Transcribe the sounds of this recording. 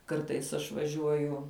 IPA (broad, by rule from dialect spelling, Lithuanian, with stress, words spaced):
ˈkɐrtɐɪs ɐʃ ʋɐˈʒʲuɔjʊ